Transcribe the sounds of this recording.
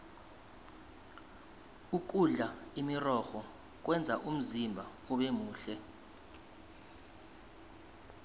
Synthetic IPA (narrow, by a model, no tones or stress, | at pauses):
uk̬uɮaimirɔxɔ | k̬wɛnd͡zʱaʔum̩zimbʱa | uɓemuːɬɛ